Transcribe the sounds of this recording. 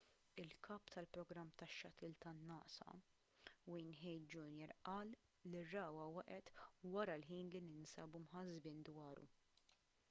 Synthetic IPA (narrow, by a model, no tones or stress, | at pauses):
ɪlkʰɐːpt̪ɐlpɾɔɡɾɐmːt̪ɐʃːɐt̪ɪːlt̪ɐnːɐːʔsɐ̰ | wijnħɛjt̪d͡ʒuːnjɛɾʔɐːlː | irːɐːwɐwɐʔɛt̪wɐɾɐlħiːnlinɪnsɐːbumħɐzbɪːnd̪wɐːɾṵ